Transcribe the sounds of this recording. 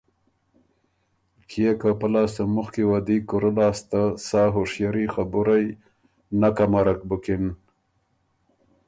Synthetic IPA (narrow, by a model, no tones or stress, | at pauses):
kʰijekapalaːst̪əmuxkiwad̪ikuɾəlaːst̪asɑːɦoʂjaɾixabuɾaj | nakamaɾak̚bukɪn